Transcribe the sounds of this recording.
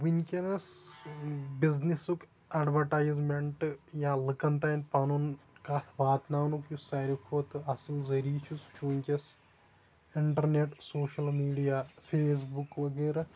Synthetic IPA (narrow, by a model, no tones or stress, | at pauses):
ʋiɲʲkʲɐnɐs | biznisuk | ɐɖʋɐɾʈaːjzmeɳʈɨjaːlɨkɐnt̪aːnʲpɐnunkaːt̪ʰʋaːt̪naːwnukjusɐɾʲikʰoːt̪ɨɐsɨlzɐɾiːt͡ʃʰust͡ʃuːɲʲkʲɐs | iɳʈɐɾneʈsoːʃɐlmiːɖijaːfʰeːs̬bukʋɐɡeːɾa